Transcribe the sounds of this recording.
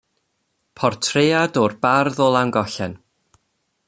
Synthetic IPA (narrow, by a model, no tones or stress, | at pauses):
pʰɔrtʰreːadɔrbarðɔlˠanɡɔɬɛn